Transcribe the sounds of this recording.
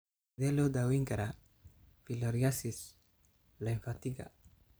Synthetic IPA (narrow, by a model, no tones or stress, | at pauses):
d̪ɛlod̪awiŋɡaɾa | filɔɾjasis | laɛɱfat̪iɡa̰